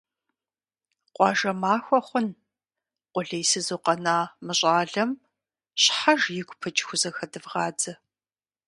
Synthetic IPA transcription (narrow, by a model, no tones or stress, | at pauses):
qʷʼɑːʒɐmaːxʷɔχʷʊn | qʷʊɮɐjsɨzoːqɐnaːmɨɕʼaːɮɐm | ɕħaʒjɪkʷʼʊpʰɨt͡ʃʼxʷʊzɐxɐdɨvʁɑːd͡zɐ